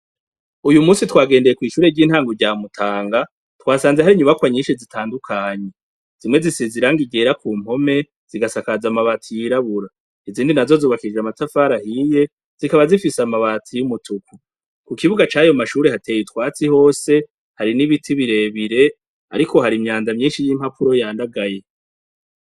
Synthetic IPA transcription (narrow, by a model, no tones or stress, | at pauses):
ujumuːsitwaːɡe̞ːndejekwiːʃuːɾeɾɟiːn̥haːŋɡoɾɟaːmutʰaːŋɡa | twaːsaːnzehaɾiɲuβakwaɲiːʃizitʰaːndukʰaːɲe̞ | z̥imŋe̞zisiziɾaŋɡiɟe̞ːɾakuːm̥ho̞me̞ | z̥iɡasakazamaβaːtʰijiɾaβuɾa | iziːndinazo̞zuːβakiɾid͡ʒamatafaɾahije̞ | z̥ikaβazifisamaβatʰijumutʰukʰu | kukiβuɡat͡ʃaːjomaʃuːɾe̞hatʰe̞ːjitwaːt͡siho̞ːse̞ | haɾiniβitʰiβiɾe̞βiɾe̞ | a̰ɾikʰo̞ɦaɾimɲaːnzamɲiːnʃijiːm̥hapʰuɾo̞jaːndaɡaje̞